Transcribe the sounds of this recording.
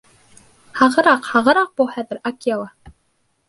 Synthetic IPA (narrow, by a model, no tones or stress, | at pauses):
hɑʁɤ̆ɾɑqhɑʁɤ̆ɾɑq̚b̥uhæðɘ̆ɾakjalˠɑ